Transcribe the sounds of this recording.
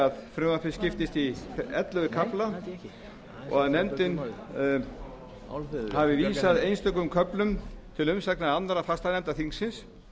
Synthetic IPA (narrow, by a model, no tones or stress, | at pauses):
aðfɾʏðapʰɪscɪft̪ɪst̪iɛt̪lœðʏkʰapla | ɔ̰ɣaðnɛmt̪ɪn | havɪviːsaðejnst̪œkʏmkʰœplʏmt̪ʰɪlʏmsaknaanːt̪ɾafast̪aðnɛmt̪aθiŋsːɪns